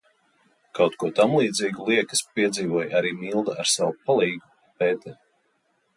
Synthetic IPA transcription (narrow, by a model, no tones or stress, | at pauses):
kawt̪kuɔt̪amlˠiːd̪ziːɡulˠiɛkə̥spiɛd̪ziːvuɔjaɾiːmilˠd̪aaɾsawupalˠiːɡu | pɛːt̪ɛ